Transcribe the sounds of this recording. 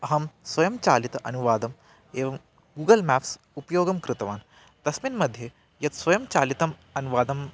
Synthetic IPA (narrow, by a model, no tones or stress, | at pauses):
ɐɦɐmsʋɐjɐmt͡ʃaːlit̪ɐʔɐnuʋaːd̪ɐm | eːʋɐm | ɡuːɡɐlmaːps | upɐjoːɡɐmkɾɪt̪ɐʋaːn | t̪ɐsminmɐd̪ʱje | jɐt̪sʋɐjɐmt͡ʃaːlit̪ɐm | ɐnuʋaːd̪ɐm